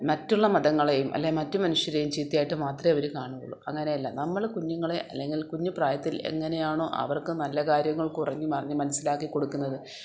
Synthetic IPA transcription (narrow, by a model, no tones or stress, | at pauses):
mɐtːuɭːɐmɐðɐŋːɐɭe̞jumʔɐ̰lːemɐtːɨmɐnuʂjɐɾejumt͡ɕiːt̪ːijaːjiʈːɨmaːt̪rɐɐʋɐɾukaːɳuɣɐ̰ɭːuɐŋːɐne̞jɐlːɐnɐmːɐɭkuɲːuŋːɐɭeʔɐlːe̞ŋɡilkuɲːupraːjɐt̪ːilḛŋːɐne̞jaːɳoːʔɐ̰ʋɐrkɨnɐlːɐkaːɾjɐŋːɐɭkurɐɲːɨpɐrɐɲːɨmɐnɐsːilaːkːiko̞ɽukːunːɐðɨ